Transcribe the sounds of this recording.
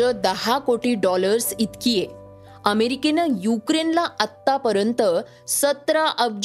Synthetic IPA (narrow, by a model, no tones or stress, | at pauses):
əd̪əɦakoʈiːɖɔləɾsit̪kije | əmeɾikenajukɾenlaʔət̪ːapəɾjənt̪ə | sət̪ɾaʔəbd͡ʑ